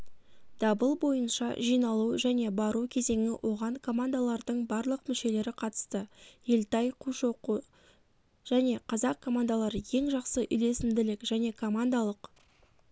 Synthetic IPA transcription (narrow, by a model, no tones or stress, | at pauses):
d̪̥ɑbəlˠbo̞jənʃɑ̰ʒijnɑlˠuʒæne̞bɑɾukʲʰe̞ze̞ŋɪwʔo̞ʁɑɴkʰo̞mand̪alˠɑɾd̪əɴbɑɾlˠəqmʏʃe̞le̞ɾɪqʰɑt̪ə̥st̪əje̞lt̪ɑjqʰuʃo̞qu | ʒ̥æne̞qʰɑzɑq̚kʰːo̞mand̪alˠɑɾəje̞ŋʒɑqsəʔʏ̰jle̞sɪmd̪ɪlɪkʒ̥æne̞kʰo̞mand̪alˠəq